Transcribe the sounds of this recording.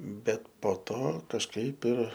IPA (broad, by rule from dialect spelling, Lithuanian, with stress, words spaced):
ˈbʲɛt poː ˈtoː kɐʃˈkɐɪp ɪr